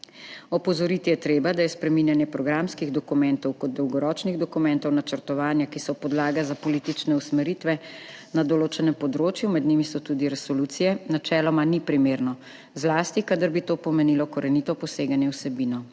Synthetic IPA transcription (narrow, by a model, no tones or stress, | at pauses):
ɔpɔzɔɾit̪ijɛt̪ɾeːbad̪ajɛspɾɛminjanjɛpɾɔɡɾamskiɣd̪ɔkumɛnt̪ɔwkɔd̪̚d̪ɔwɡɔɾɔːt͡ʃniɣd̪ɔkumɛnt̪ɔwnat͡ʃəɾt̪ɔʋaːnjakisɔpɔd̪laːɡazapɔlit̪it͡ʃnɛusmɛɾit̪ʋɛnad̪ɔloːt͡ʃɛnɛmpɔd̪ɾoːt͡ʃjumɛd̪nimisɔt̪ud̪iɾɛsɔluːt̪sijɛnat͡ʃɛːlɔmanipɾimeːɾnɔ | zlaːst̪ikad̪əɾbit̪oːpɔmɛnilɔkɔɾɛnit̪ɔpɔseːɡanjɛwsɛbinɔ